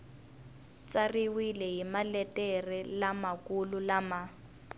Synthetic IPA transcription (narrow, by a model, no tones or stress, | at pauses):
t͡sʼariwilɛjimalɛtɛrɛlamakululama